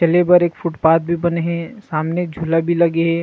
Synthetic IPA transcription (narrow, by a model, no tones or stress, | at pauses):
ɐlebɐɾeːkfʰʊʈpaːt̪̚bʱibɐneɦɛ̃saːmned͡ʒʱulabʱilɐɡeɦɛ̃ː